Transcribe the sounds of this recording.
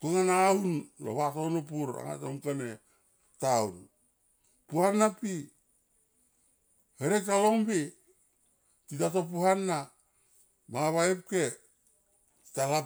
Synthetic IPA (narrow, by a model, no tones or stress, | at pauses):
tuŋanaunlo̰βatonopuɾa̰ŋa̰tomkane | taun | puhanːapi | heɾek̚taloŋbi | titato̞p̬uhanːa | maŋaβaep̚ke | ti̥tala